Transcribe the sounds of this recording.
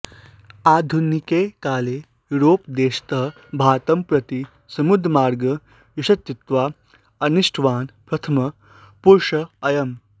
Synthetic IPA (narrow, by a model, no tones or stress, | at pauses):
aːd̪ʱunikeːkaːleː | juɾoːpd̪eːɕt̪ɐ | bʱaːt̪ɐmpɾɐt̪i | sɐmud̪ʱɾmaːɾɡɐ | juɕɐt̪t͡ʃit̪ʋaː | ɐniʂʈʰʋaːnpɾɐt̪ʰɐmɐ | puɾʂɐɐjɐm